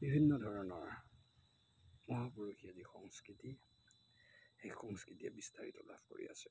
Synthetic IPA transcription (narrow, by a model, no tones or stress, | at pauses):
bibʱinːɔdʱɔɹɔnɔɹ | mɔɦapɔɹokiazixɔŋskɹiti | xejxɔŋskɹitijɛ̰bistaɹḭtɔla̰bko̰ɹḭa̰sɛ